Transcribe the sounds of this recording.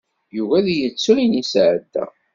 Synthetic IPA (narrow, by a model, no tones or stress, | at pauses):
juvæðjət͡sːuɾinisʕəd̪æ̰